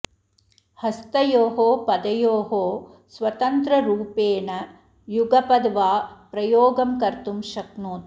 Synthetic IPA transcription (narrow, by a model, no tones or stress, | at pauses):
hɐst̪ɐjoːɦoːpɐd̪ɐjoːɦoː | sʋɐt̪ɐnt̪ɾɐɾuːpeːnɐ | juɡɐpɐd̪ʋaːpɾɐjoːɡɐmkɐɾt̪umʃɐknuːt̪